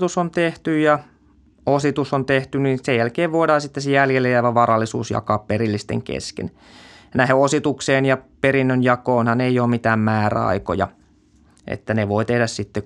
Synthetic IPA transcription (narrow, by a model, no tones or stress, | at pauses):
t̪usont̪eht̪yjjɑ | osit̪usont̪eht̪yninsejælkeːʋʋoidɑːsit̪ːesejæljelːejɑiʋɑʋʋɑrɑlːisṵːsjɑ̰kɑːpperilːist̪ḛŋkḛskḛn | næheosit̪ukseːnjɑperinːønjɑkoːnhɑneijˑoːmmit̪æːmmæːræ̰ɑ̰iko̰jɑ̰ | ʔḛt̪ːæneʋoit̪ehdæssit̪ːe